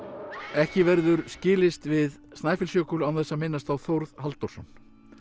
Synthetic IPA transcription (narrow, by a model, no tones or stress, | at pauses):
ɛhcɪvɛɾðʏɾscɪːlɪst̪vɪðst̪naːjfɪlsjœːkʏlawθɛsːamɪnːast̪awθowɾð̥halt̪ɔɾ̥sɔnː